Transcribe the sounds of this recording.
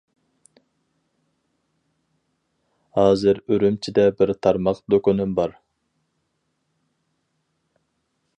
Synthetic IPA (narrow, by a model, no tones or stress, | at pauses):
hɑːzɨɾøɾymt͡ʃʰid̪ɛbɪɾt̪ʰɑɾmɑqd̪økonymbɑɾ